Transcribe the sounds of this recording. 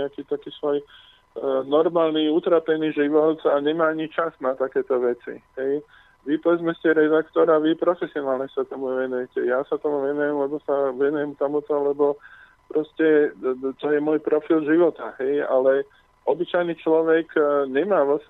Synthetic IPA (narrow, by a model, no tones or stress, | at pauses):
ɛakiːt̪akiːsʋɔj | nɔɾmaːlniut̪ɾaːpɛniːʒiʋɔt̪aɲɛmaːaɲit͡ʃaznat̪akɛːt̪ɔʋɛt͡sḭɦɛj | ʋipɔʋɛd͡zmɛscɛɾɛd̪akt̪ɔɾaʋipɾɔfɛsiɔnaːlɲɛsat̪ɔmuʋɛnujɛcɛjasat̪ɔmuʋɛnujɛmlɛbɔsaʋɛnujɛmt̪ɔmut̪ɔlɛbɔ | pɾɔscɛt̪ɔjɛmɔjpɾɔfilʒiʋɔt̪aɦɛja̰lɛ | ʔɔbit͡ʃajnit͡ʃlɔʋɛkɲɛmaːʋlas